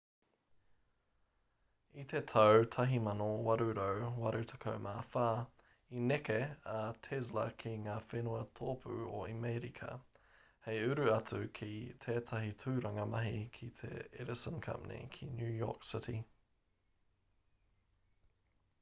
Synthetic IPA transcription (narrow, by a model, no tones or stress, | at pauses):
it̪ʰetʰɐwtʰɐɦimɐnowɐɾʉɾowwɐɾʉtʰɐ̥kʰowmʔaːfaː | inɛkeɐtʰɛzlɐ̰kʰiŋaːfenuɐtʰoːpʰʉ̰oimeɾikʰɐ̰ | hejʉɾʉɐtʰʉkʰitʰɛːtʰɐɦitʰʉːɾɐŋɐmɐɦikʰit̪ʰḛɛɾɪsə̃nkʰɐ̰pnḭkʰinjʉːjɔ̰ːksɪtḭ